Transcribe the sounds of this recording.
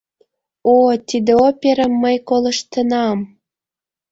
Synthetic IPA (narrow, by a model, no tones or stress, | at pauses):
ot̪id̪eopʲeɾəmːəjkolɤ̆ʃt̪ə̆nɑm